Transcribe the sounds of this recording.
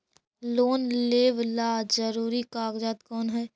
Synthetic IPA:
loːnleːʋlaːd͡ʒəɾuːɾikaːɡd͡ʒaːt̪kɔːnɦɛː

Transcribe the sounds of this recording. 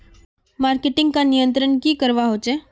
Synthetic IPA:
maːɾkeʈɪ̃ŋɡ̚kanijənt̪ɾəɳkikəɾʋaɦot͡ʃe

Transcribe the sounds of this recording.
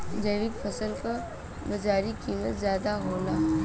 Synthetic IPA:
d͡ʒəjʋɪkpʰəsəlka | bɐd͡ʒaːɾikiːmət̪zjaːd̪aɦoːnaː

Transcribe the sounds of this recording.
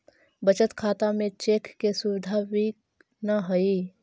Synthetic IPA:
bət͡ʃət̪kʰaːt̪amẽt͡ʃeːkːesʊʋɪd̪ʱabi | naɦɐi

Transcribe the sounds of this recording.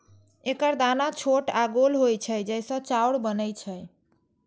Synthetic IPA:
ekəɾd̪anat͡ʃʰoʈaɡolɦojt͡ʃʰəjd͡ʒəjsə̃t͡ʃawɽbənəjt͡ʃʰəj

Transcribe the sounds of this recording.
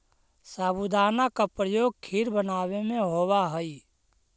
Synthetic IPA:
saːbud̪aːnakapɾəjoːɡ̚kʰiɾbənaːwemẽɦoːwaɦəi

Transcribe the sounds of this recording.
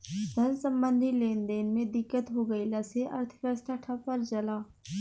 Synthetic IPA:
d̪ʱɐnsə̃mbə̃nd̪ʱileːnd̪eːnmẽd̪ɪkːət̪ɦoɡəilaseʔɐ̰ɾt̪ʰə̥kəsʈʰaʈʰapɐɾd͡ʒɐlaː

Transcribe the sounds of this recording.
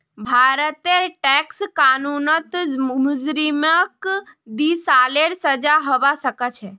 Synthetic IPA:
bʱaːɾət̪eʈɛːkskaːnuːnət̪mʊd͡ʒɾiməkd̪isaːleɽsəd͡ʒaɦoʋasəkət͡ʃʰɛ

